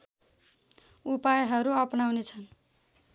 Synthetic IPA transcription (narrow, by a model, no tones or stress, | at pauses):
upajɦʌɾuʌpnawnet͡sʰʌn